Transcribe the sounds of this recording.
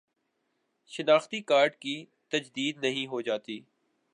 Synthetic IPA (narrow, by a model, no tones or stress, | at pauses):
ʃɪnaːxt̪ikaːɾɖkiː | t̪ɐd͡ʒd̪iːd̪nɐɦĩɦod͡ʒaːt̪iː